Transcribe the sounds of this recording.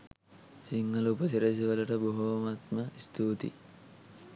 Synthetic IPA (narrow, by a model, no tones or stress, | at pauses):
siŋɡɐlupəsiɾes̬iʋəlɐʈəboɦumat̪məist̪ʰuːt̪ḭ